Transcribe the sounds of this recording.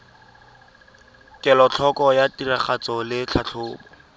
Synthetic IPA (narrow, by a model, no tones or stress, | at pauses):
kʼɛlɔt͡ɬʰɔkɔjatiraχat͡sɔlɪt͡ɬʰat͡ɬʰʊːbɔ